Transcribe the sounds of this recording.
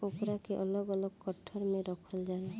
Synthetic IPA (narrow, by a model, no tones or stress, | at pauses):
okɾakeʔɔlɔɡɔlɔkkːɔʈʰːɔɾmẽɾɔkʰɔld͡ʒala